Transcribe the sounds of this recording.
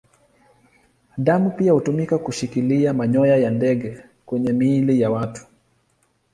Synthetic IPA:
ɗamupiahutumikakuʃikiliamaɲɔjajandɛɡɛ | kwɛɲɛmiːlijawatu̥

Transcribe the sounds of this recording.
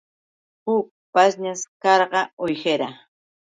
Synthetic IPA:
hʊk̚ | pasɲaskɑɾɢɑojxeɾa

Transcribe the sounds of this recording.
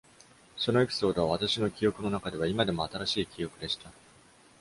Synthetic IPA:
so̞no̞e̞pʲi̥so̞ːd̪o̞βaβat̪aɕino̞kʲijo̞kɯ̟no̞nakad̪e̞βaimad̪e̞mo̞at̪aɾaɕiːkʲijo̞kɯ̟d̪e̞ɕi̥t̪a

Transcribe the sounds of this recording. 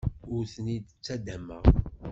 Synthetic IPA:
ʊɾθənid̪t͡sːæd̪æmæ

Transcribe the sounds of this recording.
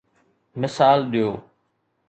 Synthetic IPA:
mɪsaːlɗ̪ɪjoː

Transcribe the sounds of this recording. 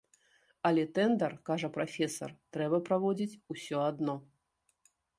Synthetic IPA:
ɐlʲɛt̪ɛnd̪ɐrkaʐɐpɾafʲɛsɐ̰rt̪ɾɛbɐpɾavɔd͡zʲit͡sʲusʲɔad̪nɔ

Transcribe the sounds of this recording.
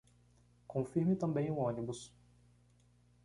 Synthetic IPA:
kõfiɾmɪt̪ɐ̃mbẽj̃ʊõnibus

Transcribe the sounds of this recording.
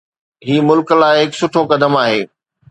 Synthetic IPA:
ɦiːmʊlklaːɪɦɪksʊʈʰokɐd̪əmaːɦeː

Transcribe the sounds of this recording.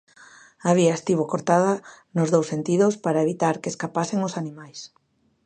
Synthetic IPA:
aβiaest̪iβokoɾt̪aðɐ | nʊzðowsːent̪iðʊspaɾaeβit̪aɾkeskapaseŋosanĩmajs

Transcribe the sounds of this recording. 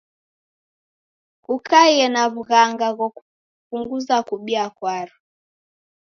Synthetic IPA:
kukajɛnaβuɣaŋɡaɣɔku | puŋɡuzakuɓiakwaɾu

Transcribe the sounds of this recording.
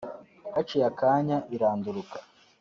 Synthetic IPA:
hat͡ʃijakaːɲaʔiɾaːnduɾukḁ

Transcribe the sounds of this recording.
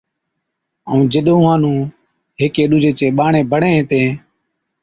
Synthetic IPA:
əũːd͡ʒɪɗõːãːnũː | ɦeːkeːɗuːd͡ʒʱeːt͡ʃeːɓaːɳẽːbʱəɳẽːɦːt̪ẽː

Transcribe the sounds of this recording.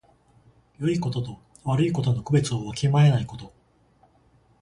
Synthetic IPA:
jo̞iko̞t̪o̞t̪o̞ | βaɾɯ̟iko̞t̪o̞no̞kɯ̟be̞t͡sɨoβakʰʲimae̞naiko̞t̪o̞

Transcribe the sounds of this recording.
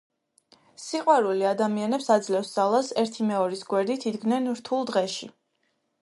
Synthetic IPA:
siqʼwaɾuliad̪amianɛpsad̪zlɛfsd̪zalˠasɛɾt̪ʰimɛɔɾisɡwɛɾd̪it̪ʰid̪ɡnɛnɾt̪ʰulˠd̪ʁɛʃḭ

